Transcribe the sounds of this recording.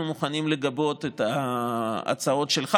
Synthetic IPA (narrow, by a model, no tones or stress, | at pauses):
umuχanimle̞ɡabo̞t̪et̪a | a̰t͡sao̞tʃelχa